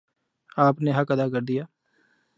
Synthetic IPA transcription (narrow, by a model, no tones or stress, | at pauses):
aːpneɦəkəd̪aːkəɾd̪ijaː